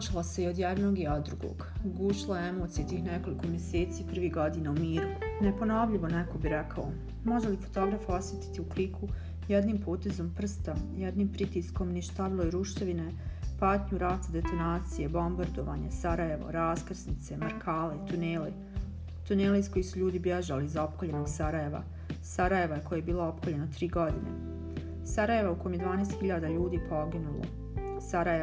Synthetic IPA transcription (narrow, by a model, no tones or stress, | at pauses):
ot͡ʃilˠose̞io̞d̪jed̪no̞ːɡiod̪d̪ːɾuɡo̰ːɡɡuʃlˠaeemot̪sijet̪iːxneko̞liko̞mjeseːt̪siːpr̩ʋiːɦɡo̞d̪inaumiːɾunepo̞no̞ʋʎiʋo̞nɛko̞biɾɛkʰao | mo̞ʒelifot̪o̞ɡɾafo̞sje̞t̪i̥t̪iuklikʰu | jed̪niːmpoːt̪e̞zo̞mpr̩st̪ajed̪niːmpɾit̪iːsko̞mniʃt̪aʋilˠojɾuʃt̪eʋine̞ | paːt̪ɲuɾat̪ad̪e̞t̪o̞naːt̪sije̞bo̞mbaɾd̪o̞ʋa̰ːɲa̰saɾajeʋo̰ɾaːskr̩snit̪se̞maɾkʰaːleit̪uneːle | t̪uneːleisko̞jisuʎuːd̪ibjeʒalizao̞pkoʎe̞noɡsaɾaje̞ʋa̰ | saɾaje̞ʋajeko̞jajebiːlao̞pkoʎe̞not̪ɾiːɡo̞d̪inḛ | saɾaje̞ʋauko̞jmje̞d̪ʋaːneːst̪xiʎaːd̪aʎuːd̪iːpʰo̞ɡinulo̰ | saɾae